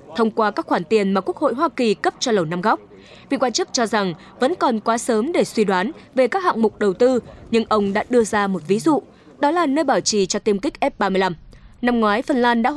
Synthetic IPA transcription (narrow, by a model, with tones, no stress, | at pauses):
t̪ʰə˧wŋ͡mkwaː˧kaː˦˥k̚xwaː˧˩nt̪i˨˩ənmaː˨˩ku˦˥ək̚ho̰˧˨jɦwaː˧ki˨˩kə˦˥p̚t͡ɕɔ˧lə˨˩wna˧mɣɔ˦˥k͡p̚ | vḭ˧˨kwaː˧nt͡ɕɨ˦˥k̚t͡ɕɔ˧za˨˩ŋ | və̰˧˥nkɔ˨˩nkwaː˨˦səː˨˦mɗe˧˩swi˧ɗwaː˨˦nve˨˩kaː˦˥k̚ha̰˧˨ŋŋ͡mmʊ˨˩k͡p̚ɗə˨˩wt̪ɨ˧ɲɨ˧ŋʔə˧wŋ͡mɗa̰ː˧˥ɗɨ˧əzaː˧mo˨˩t̚vi˨˦zṵ˧˨ | ɗɔ˨˦laː˨˩nəː˧jɓaː˧˩wt͡ɕi˨˩t͡ɕɔ˧t̪i˧əmkï˦˥k̚ʔɛ˦˥p̚ɓaː˧mɨ˧əla˧mna˧mŋwaː˨˦jfə˨˩nlaː˧nɗa̰ː˧˥